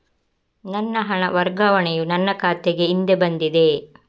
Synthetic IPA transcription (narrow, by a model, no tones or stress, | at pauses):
nɐnːɐɦɐɳɐ̰ʋɐɾɡɐʋɐɳejunɐnːɐkaːt̪eɡe̞ind̪ebɐnd̪id̪e̞